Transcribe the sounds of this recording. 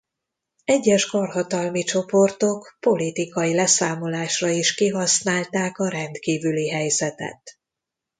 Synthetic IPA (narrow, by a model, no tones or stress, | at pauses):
ɛɟːɛʃkorɦɒt̪ɒlmit͡ʃo̞po̞rt̪o̞kpo̞lit̪ikɒilɛsaːmo̞laːʃrɒiʃkiɦɒsnaːlt̪aːkɒɾɛnt̪kiːvyliɦɛjzɛt̪ɛ̰t̪